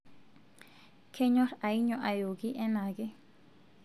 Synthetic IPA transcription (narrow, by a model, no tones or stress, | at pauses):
kʰeɲoɾaiɲoʔajoɡiʔenaɡi